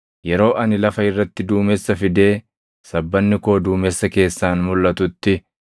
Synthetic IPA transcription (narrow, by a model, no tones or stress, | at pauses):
jɛɾo̞ːʔɐnɪlɐfɐɪrːɐt̪ːɪd̪uːmɛsːɐfɪd̪e̞ː | sɐbːɐnːɪkoːd̪uːmɛsːɐke̞ːsːaːnmʊlːɐt̪ʊt̪ːɪ